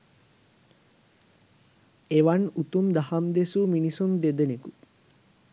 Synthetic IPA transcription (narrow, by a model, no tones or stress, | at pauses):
eʋanut̪umd̪ahamd̪esuminisumd̪ed̪eniku